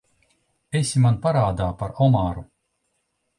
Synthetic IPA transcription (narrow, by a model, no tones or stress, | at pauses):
esʲimanpaɾaːd̪aːpaɾɔmaːɾu